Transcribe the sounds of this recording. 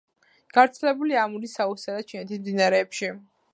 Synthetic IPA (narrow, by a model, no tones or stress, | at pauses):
ɡ̥avɾt̪sʰɛlɛbuliamuɾisausɛlat͡ʃʰinɛt̪ʰismd̪inaɾɛːpʃi